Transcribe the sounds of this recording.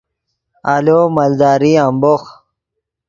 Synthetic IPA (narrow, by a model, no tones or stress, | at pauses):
aloːmald̪aːɾiambox